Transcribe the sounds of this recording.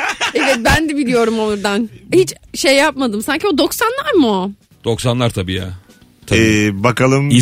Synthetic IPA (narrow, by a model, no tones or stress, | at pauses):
ɛvɛt̪̚bænd̪ɛbilʲijo̞ɾumoɾd̪anhit͡ʃʃejːapmad̪ɯmsaɲciod̪o̞ksanlˠaɾmu | d̪̥o̞ksanlˠaɾt̪ʰabiːja̰ː | t̪ʰaɛbakalˠɯmi